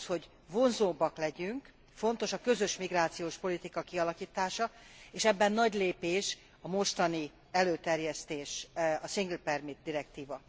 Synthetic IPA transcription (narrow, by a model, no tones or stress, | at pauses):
ho̞ɟ | vo̞nzoːbːɒklɛɟyŋk | fo̞nt̪o̞ʃɒkø̞zø̞ʃmiɡraːt̪sijoːʃpo̞lit̪ikɒkiɒlɒkiːt̪aːʃɒeːʃɛbːɛnːɒɟleːpeːʃ | ɒmo̞ʃt̪ɒni | ɛløːt̪ɛrjɛst̪eːʃɒsiŋɡlpɛrmit̪̚d̪iɾɛkt̪iːvɒ